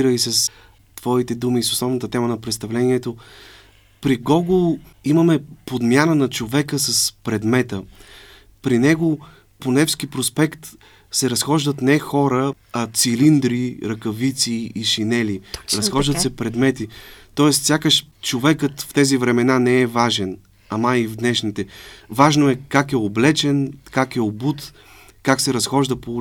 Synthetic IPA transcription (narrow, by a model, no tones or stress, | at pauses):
ɾəisɐs | t̪v̥ɔit̪ɛd̪umiso̥slˠɔvnət̪ət̪ɛmənɐpɾɛt̪st̪ɐvlɛniɛt̪o | pɾiɡɔɡlˠ | iməmɛpod̪mʲjanənɐt͡ʃovɛkəsəspɾɛd̪mɛt̪ə | pɾinɛɡo | ponɛfskipɾospɛkt̪ | sɛɾɐsxɔʒd̪ət̪nɛxɔɾəɐt̪silind̪ɾiɾɐkɐvit̪siːʃinɛliɾɐsxɔʒd̪ət̪sɛpɾɛd̪mɛt̪it̪ɔɛst̪sʲjakəʃt͡ʃovɛkət̪ft̪ɛzivɾɛmɛnanɛɛvaʒɛn | ɐmaivd̪nɛʃnit̪ɛvaʒnoɛkakɛoblɛt͡ʃɛnkakɛobut̪ | kaksɛɾɐsxɔʒd̪əpo